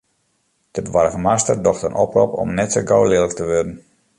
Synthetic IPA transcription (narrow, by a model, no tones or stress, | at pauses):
d̥əbəʋaɾəɣəmastərdɔxtənʔɔpropɔ̰mnɛtsoɡawlɪːlək̚təʋørdən̩